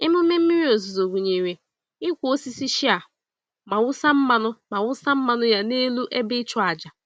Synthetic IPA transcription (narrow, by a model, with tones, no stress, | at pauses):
ɪ˦mʊ˦me˦m̩˦mi˦ɾi˦o˨zu˨zo˨ɡʷu˨ɲe˨wʷe˨ | ɪ˦kʷo˦si˦si˦ʃi˦a˨ | ma˨wʊ˦sa˦m̩˦ma˨nʊ˦ma˨wʊ˦sa˦m̩˦ma˨nʊ˦ja˦ne˦lu˦ʔe˦bɪ˦t͡ʃʊ˦a˨d͡ʒa˨